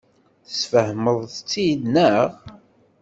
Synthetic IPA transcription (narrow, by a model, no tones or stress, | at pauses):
θəsfəhməðˤt͡sːidnəʁ